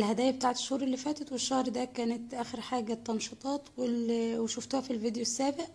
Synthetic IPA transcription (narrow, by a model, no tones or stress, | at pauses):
lhæd̪æːjæbet̪aːʕet̪e̥ʃhuːɾʔelːifæːt̪æt̪weʃːɑhɾˤd̪ækæːnet̪ʔæːxeɾħaːɡæt̪ːɑnʃɑt̪ˤɑːt̪welweʃoft̪ʊhæfilvid̪josːæːbeʔ